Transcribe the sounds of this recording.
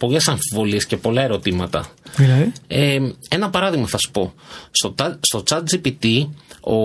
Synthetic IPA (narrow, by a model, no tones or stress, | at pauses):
po̞le̞sɐɱfivo̞liescepo̞lɐe̞ɾo̞t̪imɐt̪ɐ̰ | ee̞nɐpɐɾɐðiɣmɐθɐsu̥po̞sost̪o̞t͡sɐd̪̚d͡ʒipit̪io̞̰